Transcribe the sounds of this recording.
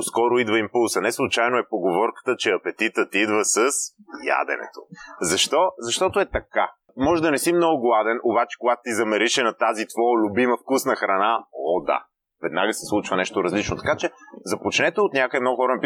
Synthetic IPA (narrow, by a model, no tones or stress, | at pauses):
skɔɾoid̪vəimpulˠsɐnɛslˠut͡ʃajnoɛpoɡovɔɾkə̥t̪ət͡ʃɛɐpɛt̪it̪ət̪id̪vəsəsja̰d̪ɛ̰nɛ̰t̪o̰zɐʃt̪ɔzɐʃt̪ɔt̪oɛt̪ɐka | mɔʒɛd̪ɐnɛsimnɔɡʊɡlˠad̪ɛnʔobat͡ʃɛ̥koɡat̪o̥t̪izɐmɛɾiʃɛnɐt̪azit̪vɔlʲʊbimɐfkusnɐxɾɐnaɔd̪a̰ | vɛd̪naɡəsɛ̥slˠut͡ʃvɐnɛʃt̪oɾɐzlit͡ʃnot̪ɐ̥kat͡ʃɛzɐpot͡ʃnɛt̪oot̪nʲakəimnɔɡʊxɔɾənɛpi